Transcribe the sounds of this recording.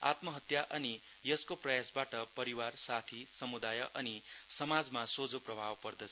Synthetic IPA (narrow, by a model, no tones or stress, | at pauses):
a̰t̪mʌɦʌt̪jaʔʌni | jʌskoprʌjasbaʈʌpʌɾiwarsat̪ʰisʌmud̪ajʌʔʌnisʌmad͡zmasod͡zoprʌbʱabpʌrd̪ʌt͡sʰʌ